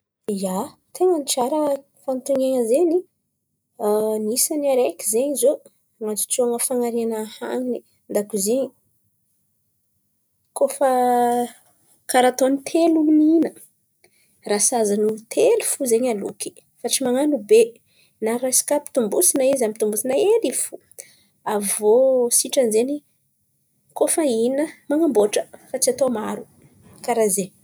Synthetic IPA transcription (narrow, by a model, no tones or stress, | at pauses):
ja | t̪ʰeŋəniʈ͡ʂaɾə | fant̪uŋeŋəzeɲi | nisaniaɾekʲi̥zeɲizo | ŋat͡su̥t͡soaŋəfaŋaɾianaha̰ŋini | nd̪akuziɲi | kofə | kaɾat̪onit̪ʰeluninə | rasazanut̪ʰelufuzeɲalṵki̥ | faʈ͡ʂimaŋanube | naɾasi̥kapi̥t̪umbusinaizampi̥t̪umbusinaelifu | avosiʈ͡ʂanzeni | kofəinəmaŋamboʈ͡ʂəfat͡siat̪omaɾu | kaɾaze